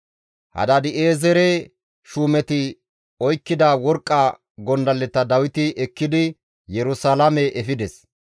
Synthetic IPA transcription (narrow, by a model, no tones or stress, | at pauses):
hɐ̰d̪ɐd̪ɪʔeːzɛɾe | ʃuːmɛt̪ɪ | ɔjkːɪd̪ɐwɔɾkʼːɐ | ɡɔnd̪ɐlːɛt̪ɐd̪ɐwɪt̪ɪʔɛkːɪd̪ɪ | jɛɾʊsalamɛʔɛfɪd̪ɛs